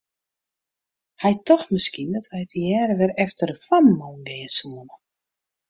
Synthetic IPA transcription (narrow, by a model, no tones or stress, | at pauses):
hɛjtʰɔxmɪskindɔtʋɛjətjɛːɾəʋɪrɛftərəfamːoːnɡɪːəsuənə